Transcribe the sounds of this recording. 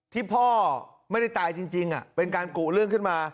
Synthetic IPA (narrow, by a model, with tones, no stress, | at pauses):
t̪ʰiː˥˩pʰɔː˥˩ | ma˥˩jda˥˩jt̪aː˧jt͡ɕi˧ŋt͡ɕi˧ŋʔa̰˨˩pe˧nkaː˧nkuː˨˩lɯ˥˩əŋkʰɯ˥˩nmaː˧